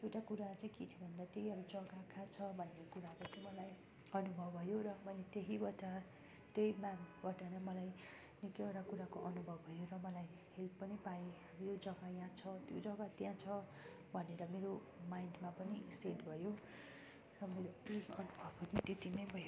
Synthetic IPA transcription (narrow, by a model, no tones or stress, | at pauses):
ewʈakuɾat͡sãĩkit̪ʰjobʱʌnd̪at̪eiʌbud͡zʌɡakʰãt͡sʰʌbʱʌnːekuɾakot͡saĩmʌlaj | ʌnubʱʌbʱʌjoɾʌmʌlet̪eɦibʌʈa | t̪ejmabʌʈanʌmʌlaj | nikeoɾakuɾakoʔʌnubʱʌbʱʌjorʌmʌlaj | helpʌnipaeʌjod͡zʌɡajãt͡sʰʌt̪jod͡zʌɡat̪jãt͡sʰʌ | bʱʌneɾʌmeɾo | majnɖmapʌniseʈbʱʌjo | rʌmeɾoʌnubʱʌbʌnĩt̪et̪inʌjbʱʌj